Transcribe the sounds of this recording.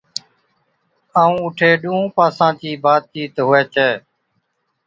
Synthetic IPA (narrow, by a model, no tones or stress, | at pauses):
aːũːʊʈʰeːɗũːũːpaːsãːt͡ʃiːbaːd̪̚t͡ʃiːt̪ɦʊeːt͡ʃʰeː